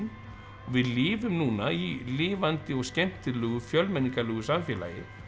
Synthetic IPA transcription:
n | ɔɣvɪðlɪːvʏmnuːnailɪːvant̪ɪɔɣscɛn̥t̪ɪlœːɣʏfjœlmɛnːiŋkalœːɣʏsamfjɛːla̰jɪ̰

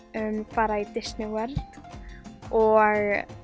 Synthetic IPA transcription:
ʏmfaːɾait̪ɪsnɪwɛɾt̪ | ɔɣ

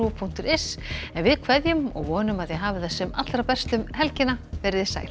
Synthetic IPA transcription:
upʰuŋ̥t̪ʏɾɛsɛnvɪðkʰvɛðjʏmɔ̰ɣvɔːnʏmaðjɛɦaːvɪðɛsːɛma̰t̪ɾapɛrst̪ʏmɦɛlcɪnavɛɾɪðɪsa̰ːjl

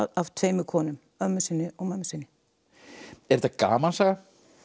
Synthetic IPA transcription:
avt̪ʰveːjmɪkʰɔːnʏm | œmʏsɪnːɪɔɣmamːʏsɪnːɪ̥ | ɛɾɛt̪aka̰ːmansaɣa

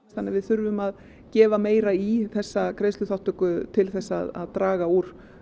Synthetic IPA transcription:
tθanːaɾvɪðθʏɾvʏmað | cɛːvameːjɾaiθɛsːakɾejst̪ʏθawht̪ʏkʏt̪ʰɪlθɛsːa̰ːða̰ðt̪ɾaːɣauːɾ̥

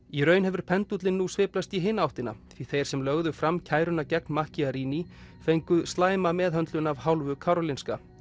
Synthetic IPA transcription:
iɾœːɥnɦɛvʏɾ̥pʰɛnt̪ut̪lɪnːusvɪːplast̪iɦɪːnːaawht̪ɪna̰θiθejɾ̥sɛmlœɣðʏfɾamːcʰaːjɾʏnacɛknmahciaɾiːnifejŋkʏst̪laːjmamɛːðɦœnt̪lʏnavɦawlvʏkʰaɾɔlinska

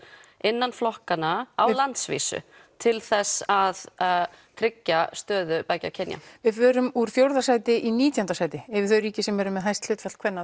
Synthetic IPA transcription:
ɪnːanflɔhkanaawlant̪svḭːsʏ̰ | t̪ʰɪlθɛsað | t̪ʰɾɪcːast̪œːðʏpaːjca̰cʰɛnja̰vɪðvœːɾʏmuɾ̥fjowɾðasaːjt̪ɪʔiniːt̪jɔnt̪asaːjt̪ɪɛvɪðθœɥɾiːcɪsɛmvɛːɾʏmːɛðɦajst̪lʏːt̪fɛ̥kʰvɛnːa

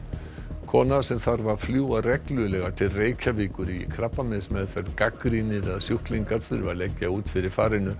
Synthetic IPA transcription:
kʰɔːnaðsɛmθaɾvaɾ̥fljuːarɛklʏlɛɣat̪ʰɪlreːjcʰaviːkʏɾikʰɾapːamɛðsmɛðfɛɾt̪kakɾinɪɾaðsjuhkliŋkaɾθʏɾvaɾlɛcːauːt̪fɪɾɪɾ̥faːɾɪnʏ

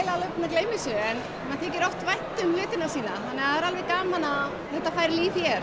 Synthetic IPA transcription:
laalœpnakleːjmisʏɛn | maðt̪ʰɛːcɪɾɔht̪vajht̪ʏmlʏːt̪ɪnasiːnaθanːɛɣaaðɛɾalvɛɾkaːnmanːa | θɛht̪ːafaːjɾɪliːfjɛɾ

